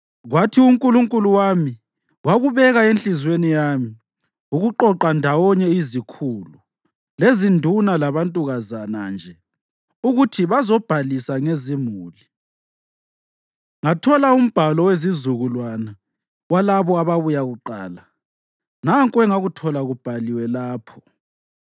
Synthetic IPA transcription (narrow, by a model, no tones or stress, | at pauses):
ɣwatʰiuŋkʼuluŋkʼuluwami | waɣuβɛɣaenɬizwenijaːmi | uɣuǃɔǃandʱawɔɲɛizikʰulu | lezindʱunalaβantʼuɣazana̰nd͡ʒʱɛ | uɣutʰiβazɔb̥ʱalisaŋezimuːli | ŋatʰɔlaum̩b̥ʱalɔwezizuɣulwana | walaβɔaβaβujaɣuǃaːla | naŋkʼwɛŋaɣutʰɔlaɣub̥ʱaliwɛlaːpʰɔ̥